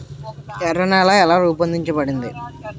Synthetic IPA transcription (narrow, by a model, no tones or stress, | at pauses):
t͡ʃɛɾɐnaːlaːɛlaːɾuːpɐnd̪iɲt͡ʃɐbɐɽind̪i